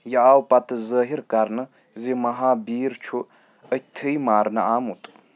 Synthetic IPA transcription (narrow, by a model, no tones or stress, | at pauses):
jɐaːwpat̪ɨzəːɦiɾkaɾnɨ | zimɐɦaːbiːɾt͡ʃʰu | ət̪ʰɨjmaːɾnɨaːmut̪ʼ